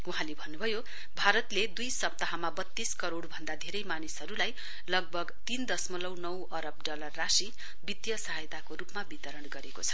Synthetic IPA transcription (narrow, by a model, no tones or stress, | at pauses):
uɦãlebʱʌnːubʱʌjo | bʱaɾʌt̪led̪ujsʌp̚t̪ʌɦamabʌt̪ːiskʌɾoɽbʱʌnd̪ad̪ʱeɾʌjmanisɦʌɾulaj | lʌɡ̚bʱʌɡt̪ind̪ʌsmʌlʌwnʌwʌɾʌb̚ɖʌlʌrːasi | bit̪jʌsʌɦajt̪akoɾupmabit̪ʌɾʌɳɡʌɾeko̰t͡sʰʌ̥